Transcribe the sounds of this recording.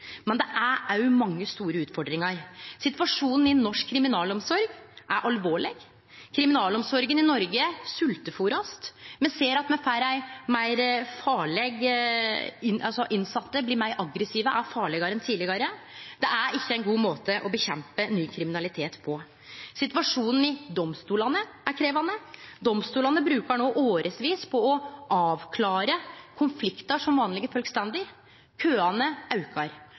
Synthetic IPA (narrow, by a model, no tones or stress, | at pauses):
mɛnd̪ɛʔææjʊmɑŋːəst̪uːɾəʉːt̪fɔɖɾɪŋɑɾsɪt̪ʋɑʂuːnn̩ɪnːɔʂkʰːɾɪmɪnɑːlɔmsɔɾɡʔæɾʔɑlʋoːɭɪɡ | kʰɾɪmɪnɑːlɔmsɔɾɡənɪnɔɾɡəsʉlt̪əfuːɾɑst̪mɛnseːɾɑt̪mɛfæɪɾæɪmæɪɾfɑːɭɛɡ | ɪnɑlsɔʔɪnsɑt̪ːəblɪɾmæɪɾʔɑɡɾəsiːʋəʔæɾfɑːɭɛɡɑɾənt̪ʰiːlɪɡɑɾə | d̪̥ɛʔæɾɪçːəɛɪnɡuːmoːt̪əʔɔbəçɛmpənyːkʰɾɪmɪnɑlɪt̪ʰeːt̪pʰɔ | sɪt̪ʋɑʂuːnn̩ɪd̪ɔmst̪uːlɑnəæɾkʰɾeːʋɑnəd̪ɔmst̪uːlɑnəbɾʉːkəɳoːʔoːɾəsʋiːspʰɔɔʔɑːʋkʰlɑːɾəkʰʊnflɪkt̪əʂɔmʋɑːnlɪɡəfœlɡst̪ɛnd̪ɪɾ | kʰøːɑnəɑʉkɑɾ